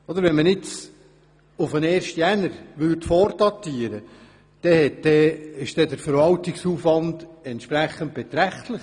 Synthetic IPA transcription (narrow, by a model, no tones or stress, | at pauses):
ɔd̪əɾʋɛnmənɪt͡s | ʊfəneːɾʃtjænəɾʋʏɾtfɔːɾd̥ɑt̪ːiːəɾə | d̪̥ɛhɛtd̥ɛɪʃd̥ɛdəɾfəɾvɑltɪksuːfvɑndɛntʃpɾæχːənt̚b̥ɛt̪ɾæχt̪ləχ